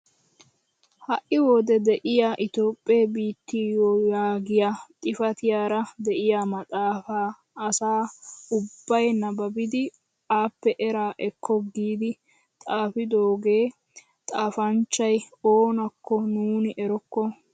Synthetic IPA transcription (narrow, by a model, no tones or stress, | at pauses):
hɐʔɪwoːd̪ɛd̪ɛʔɪjaʔɪt̪o̞ːpʼːeːbiːt̪ːijojaːɡɪjat̪ʼɪfɐt̪ɪjaːɾɐd̪ɛʔɪjamɐt̪ʼaːfaː | ɐsaːʊbbːɐjnɐbɐbɪd̪ɪ | aːpːɛʔɛɾaːʔɛkʰːɔɡiːd̪ɪ | t̪ʼaːfɪd̪oːɡeː | t̪ʼaːfɐnt͡ʃːɐj | oːnɐkːɔnuːnɪʔɛɾɔkːɔ